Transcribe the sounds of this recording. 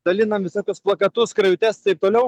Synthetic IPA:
d̪̥ɐlʲɪnɐmʋʲɪsoːkʲʊsplˠɐkɐt̪ʊskɾɐʊt̪ʲɛst̪ɐɪp̚t̪oːlʲɛʊ

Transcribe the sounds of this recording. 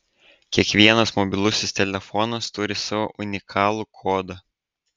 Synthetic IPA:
kʲiɛkʋʲiɛnɐsmɔbʲɪlˠʊsʲɪst̪ʲɛlʲɛfɔnɐst̪ʊɾʲɪsɑʋo̰ːʔʊnʲɪkʰɑːlˠukʰoːd̪ɐ

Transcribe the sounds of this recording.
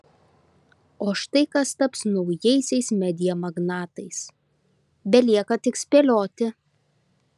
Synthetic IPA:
oːʃt̪ɐɪkɐst̪ɐpsnɒʊjɛɪsʲɛɪsmʲɛd̪ʲɪjɛmɐɡnɑːt̪ɐɪs | bʲɛlʲiɛkɐt̪ʲɪksʲpʲeːlʲoːt̪ʲɪ

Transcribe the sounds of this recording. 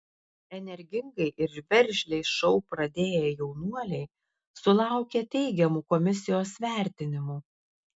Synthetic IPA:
ɛnʲɛɾʲɡʲɪŋɡɐɪʔɪɾbʲɛɾʲˑʒʲlʲɛɪʃɔʊpɾɐd̪ʲeːjɛjɛʊnuɔlʲɛɪ | sʊlˠɑˑʊkʲeːt̪ʲɛɪɡʲɛmuːkɔmʲɪsʲɪjoːsʋʲæˑɾʲt̪ʲɪnʲɪmuː

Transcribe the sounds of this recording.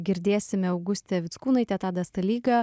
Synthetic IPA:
ɡʲɪɾʲd̪ʲeːsʲɪmʲɛɐʊɡʊsʲt̪ʲɛʋʲɪt̪skuːnɐɪt̪ʲɛt̪ɑːd̪ɐst̪ɐlʲiːɡɐ

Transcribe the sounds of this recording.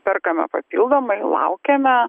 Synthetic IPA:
pʲɛrkɐmʲɛ̰pɐpʲiːlˠd̪oːmɐɪlˠɐ̰ʊkʲɛmʲɛ

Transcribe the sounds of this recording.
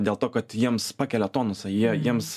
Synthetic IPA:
dʲeːlˠt̪oːkɐt̪jiɛmspɑːkʲɛlʲɛt̪oːnosʲɐjiɛjiɛms

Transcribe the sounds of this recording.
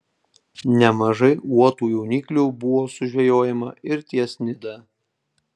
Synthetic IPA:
nʲɛmɐʒɐɪuɔt̪uːjuʊnʲiːklʲuːbʊʋoːsʊʒʲʋʲɛjoːjɛmɐ̰ɪɾt̪ʲiɛsʲnʲɪd̪ɐ

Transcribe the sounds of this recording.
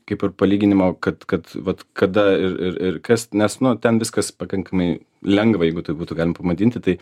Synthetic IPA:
kɐɪpɪɾpɐlʲiːɡʲɪnʲɪmoːkɐt̪kɐt̪ʋɐt̪kɐd̪ɐɪɾɪɾɪɾkɐsnʲɛsnʊt̪ʲɛnʋʲɪskɐspɐkɐŋkɐmɐɪ | lʲɛŋɡʋɐjɛɪɡʊt̪ɐɪbuːt̪uːɡɑlʲɪmɐpɐmɐd̪ʲiːnʲt̪ʲɪt̪ɐɪ

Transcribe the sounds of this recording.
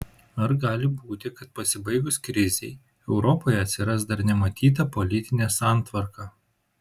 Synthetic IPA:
ɐɾɡɑːlʲɪbuːt̪ʲɪkɐt̪̚pɐsʲɪbɐɪɡʊskɾʲɪzʲɛɪ | ɛʊɾɔpoːjɛɐt̪ʲsʲɪɾɐsd̪ɐɾnʲɛmɐt̪ʲiːt̪̬ɐpɔlʲɪt̪ʲɪnʲesɑːˑnt̪ʋɐɾkɑː

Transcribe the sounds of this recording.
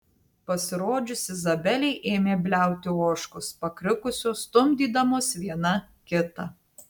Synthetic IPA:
pɐsʲɪɾoːd͡ʒʲʊsʲɪzɐbʲɛlʲɛɪʔeːmʲeːbʲlʲæˑʊt̪ʲɪoːʃkʊspɐkɾʲɪkʊsʲoːst̪ʊmʲd̪ʲiːd̪ɐmoːsʋʲiɛnɐ | kʲɪt̪ɐ

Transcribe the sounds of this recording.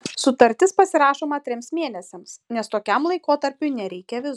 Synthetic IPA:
sʊt̪ɐɾʲt̪ʲɪspɐsʲɪɾɑːʃoːmɐt̪ʲɾʲɪmsmʲeɛnʲɛsʲɛmsnʲɛst̪oːkʲɛmlˠɐɪkoːt̪ɐɾʲpʲʊnʲɛɾʲɛɪkʲɛʋʲɪz

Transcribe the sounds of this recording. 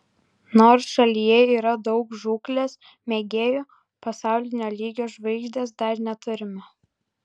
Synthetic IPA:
noːɾsʃɐlʲijɛiːɾɐd̪ɒʊkʒuːklʲeːs | mʲeːɡʲeːju | pɐsɑˑʊlʲɪnʲoːlʲiːɡʲoːʒʋɐɪɡʒʲd̪ʲeːsd̪ɐɾnʲɛt̪ʊɾʲɪmɐ

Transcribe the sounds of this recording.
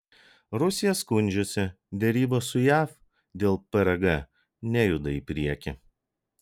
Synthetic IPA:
ɾʊsʲɪjɛskʊnʲd͡ʒʲʊsʲɪ | d̪ʲɛɾʲiːbɐsʊjæːf | d̪ʲeːlˠpɐɾɐɡɐ | nʲɛjʊd̪ɐiˑpʲɾʲiɛkʲɪ

